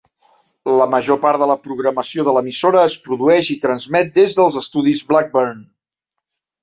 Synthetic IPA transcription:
ləməʒopaɾðələpɾuɣɾəməsioðələmisoɾəːspɾuðuɛʃit̪ɾənzmɛt̪̚d̪ezðəlˠzəst̪uðizblak̚bərn

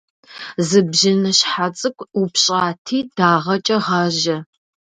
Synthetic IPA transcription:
zɨbʒɪnɐɕħat͡sʼɨkʷʰʼupʰɕʼaːtʰiːd̥aːʁɐt͡ʃʼɐʁɑʒɐ

